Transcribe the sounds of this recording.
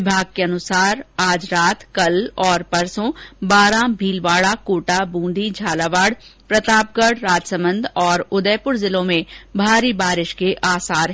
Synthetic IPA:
ɪbʱaːɡ̚keɐnʊsaːɾaːd͡ʒɾaːt̪kɐlɔːɾpɐɾsõbaːɾãːbʱiːlʋaːɽakoːʈabũːnd̪ʱid͡ʒʱaːlaːʋaːɽpɾɐt̪aːp̚ɡəɽɾaːd͡ʒsə̃mbə̃nd̪ʱɔːɾʊd̪əpʊɾzɪlõmẽbʱaːɾibaːɾɪʃkeʔaːsaːɾɦ

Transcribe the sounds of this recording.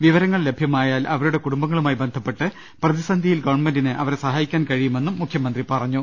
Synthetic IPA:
ʋiʋɐɾɐŋːɐɭle̞bʱjɐmaːjaːlʔɐʋɐɾuɽe̞kuɽumbɐŋːɐɭumaːjibend̪ʱɐpːe̞ʈːɨ | prɐðisɐnd̪ʱijilɡɐʋɐɳmendinɨʔɐʋɐɾesɐɦaːjikʲːaːnkɐɻijume̞nːumːukʰjɐmɐnd̪ripɐrɐɲːu

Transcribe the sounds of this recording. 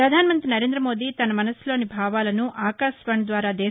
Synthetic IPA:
ɾɐd̪ʱaːnɐmɐnt̪ɾinɐɾeːnd̪ɾɐmo̞ːd̪iːt̪ɐnɐmɐnɐslo̞ːnibʱaːʋaːlɐnuʔaːkaːʃʋɐɳɐd̪ʋaːɾaːd̪eː

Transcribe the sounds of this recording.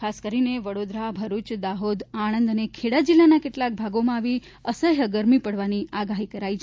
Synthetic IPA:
kʰaskəɾineʋəɽod̪ɾabʱəɾut͡ʃd̪aɦod̪aɽ̃ə̃nd̪ənekʰeɽad͡ʒilːanakeʈlak̚bʱaɡomãːʋi | əsəjɦəɡəɾmipəɽʋaniʔaɡaɦikəɾait͡ʃʰ

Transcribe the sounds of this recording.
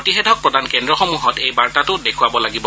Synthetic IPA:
ɔtixɛdʱɔk̚pɹɔdankɛndɹɔxɔmuɦɔtejbaɹtatʊdekʰuabɔlaɡibɔ

